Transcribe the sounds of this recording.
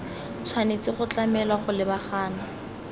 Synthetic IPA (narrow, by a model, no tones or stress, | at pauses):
t͡sʰwanet͡sɪχʊt͡ɬamɛlwaχʊlɪbaχaːna